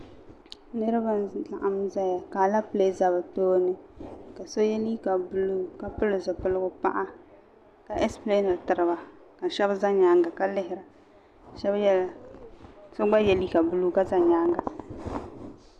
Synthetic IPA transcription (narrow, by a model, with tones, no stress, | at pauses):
nɨ˦ɾɨ˦ba˦n˦ta˨ʔa˨m˦za˦ja˨ka˨la˦ple˦za˨ba˨toː˦nɨ˦ka˨so˦jɛ˦li˦ka˨bu˦lu˦ka˦pɨ˦lɨ˨zɨ˨pɨ˦lɨ˦ɡʊ˦pa̰˦ʔa˦ | ka˨ʔɛ˦sple˦na˨tɨ˨ɾɨ˦ba˨ | ka˨ʃɛ˦bza˦ɲa˦ŋɡa˨ka˦lɪ˦ɦɪ˦ɾa˨ | ʃɛ˦bjɛ˦a˨ | so˦ɡ͡ba˦jɛ˦li˦ka˨bu˦lu˦ka˦za˨ɲaː˦ŋɡa˨